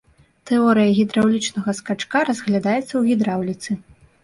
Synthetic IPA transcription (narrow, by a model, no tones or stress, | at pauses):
t̪ɛɔɾɨjɐɣʲid̪ɾawlʲit͡ʂnɐɣɐskat͡ʂkaɾɐzɣlʲad̪ajɛt̪sːɐwɣʲid̪ɾawlʲit̪sɨ